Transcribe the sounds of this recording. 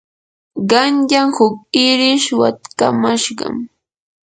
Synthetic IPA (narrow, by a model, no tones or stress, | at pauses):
ɢɑnʎaŋhʊk̚ɪɾɪʃwa̰t̪kamaʃɢɑ̰m